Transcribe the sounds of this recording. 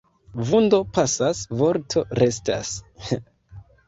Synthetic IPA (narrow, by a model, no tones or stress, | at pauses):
vundo̞pasasvo̞ɾtʰo̞ɾe̞sta̰s